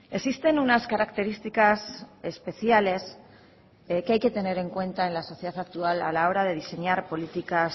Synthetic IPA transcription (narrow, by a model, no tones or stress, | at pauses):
e̞sist̪e̞nunaskaɾakt̪e̞ɾist̪ikasespe̞θjale̞s | keajke̞t̪e̞ne̞ɾe̞ŋkwe̞nt̪ae̞nlaso̞θjeðat̪ak̚t̪uala̰lao̞ɾað̞e̞ð̞ise̞ɲaɾpo̞lit̪ikas